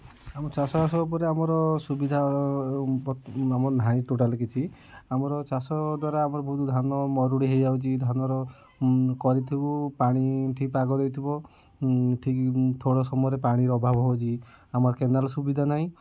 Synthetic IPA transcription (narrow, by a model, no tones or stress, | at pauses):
amɔt͡ʃasɔasɔup̬ɔɾeamɔɾɔsubid̪ʱa | bamɔɔnʱaĩʈoʈalk̬it͡ʃʰi | amɔɾɔt͡ʃasɔd̪waɾaːmɔɾɔbʱɔut̪d̪ʱanɔmɔɾuɽiɦejd͡ʒaut͡ʃʰid̪ʱanɔɾɔ | kɔɾit̪ʰibupaɽ̃iʈʰikpaɡɔd̪ejt̪ʰibɔ | ʈʰikt̪ʰoɽɔsɔmɔjɔɾepaɽ̃iɾɔbʱabɔɦɔwt͡ʃʰi | amɔɾɔkenalsubid̪ʱanaɦĩ